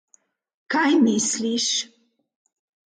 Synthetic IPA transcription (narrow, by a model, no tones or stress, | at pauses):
kajmisliʃ